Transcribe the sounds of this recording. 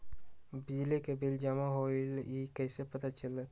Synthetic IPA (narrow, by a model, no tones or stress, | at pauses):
bid͡ʒlikebild͡ʒamaɦoilikəjsepət̪at͡ʃələ